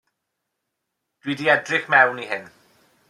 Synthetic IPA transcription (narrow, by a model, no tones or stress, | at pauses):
d̥wiːdiɛdrɪχmɛwniɦɪn